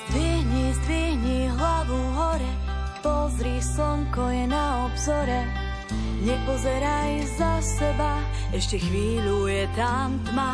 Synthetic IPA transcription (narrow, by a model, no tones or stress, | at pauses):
zviɦɲizʋiɦɲiɦlaʋuɦɔɾɛ | pɔzɾisɔŋkɔjɛnaɔbzɔɾɛ | ɲɛpɔzɛɾaj | zasɛba | ɛʃcɛxʋiːlujɛt̪ɾamt̪ma